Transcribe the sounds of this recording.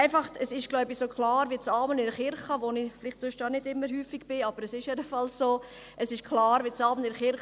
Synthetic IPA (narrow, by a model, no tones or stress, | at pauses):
ɪfɑχtɛsɪʃɡ̥lɔʊbisoːklɑːɾʋiːt͡sɑːmənɪɾəχɪɾχəʋonɪflɪχtsʊʃtɑːnɪdɪmːəɾɦyːfiɡb̥ɪɑbəɾɛsɪʃjɛdəfɑlssoː | əsɪʃkʰlɑːɾʋit͡sɑːmənɪɾəχɪɾχ